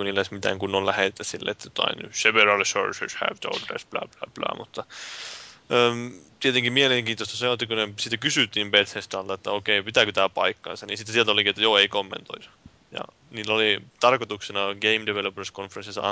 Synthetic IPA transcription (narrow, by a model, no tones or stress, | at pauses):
kunilːesmit̪æ̰ŋkunːolæhet̪ːæsilːḛt̪ːæt̪ɑ̰inyseʋerɑlso̰rsḛshæ̰ʋt̪o̰ud̪rḛsplæ̰ːplæ̰ːplæ̰ːmut̪ːɑ | əːmt̪iet̪eŋkimieleŋkiːost̪ɑsɑnoˑt̪ːikunesit̪ːækysyˑt̪ːiːmbet̪hest̪ɑlt̪ɑet̪ːæokeipit̪ækøt̪æːpɑ̰ikːɑ̰nsɑninsit̪ːeielt̪olikiet̪ːæjoːeikomːḛnt̪o̰is | jɑ̰ | niːlːolit̪ɑrkot̪uksenɑɡeimdeʋelopreskonferensisɑɑ̰